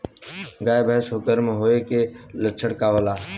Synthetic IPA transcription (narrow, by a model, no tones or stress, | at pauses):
ɡaːebəɦsɦoːkəɾmẽɦoːekelət͡ʃʰəɽkaːʋəlaː